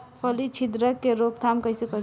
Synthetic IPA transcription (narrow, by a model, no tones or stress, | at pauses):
pʰʌlit͡ʃʰid̪ɾəkːeɾokt̪ʰamkʌjsekʌ